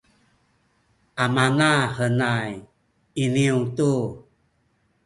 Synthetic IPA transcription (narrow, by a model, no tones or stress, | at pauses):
ʔamanahənaj | iniutu